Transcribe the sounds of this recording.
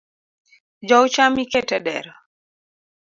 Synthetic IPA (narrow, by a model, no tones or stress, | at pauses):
d͡ʒɔwt͡ʃamikɛtɛdɛɾ